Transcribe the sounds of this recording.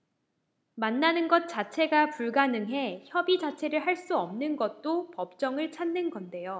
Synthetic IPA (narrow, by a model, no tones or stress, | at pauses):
manːanɯnɡʌt̚t͡ɕ͈at͡ɕʰe̞ɡapuɭɡanɯŋɦe̞çjʌbid͡ʑat͡ɕʰe̞ɾɯɭɦaɭs͈uʌmnɯnɡʌt̚t͈opʌp̚t͡ɕ͈ʌŋɯɭt͡ɕʰanːɯnɡʌnde̞jo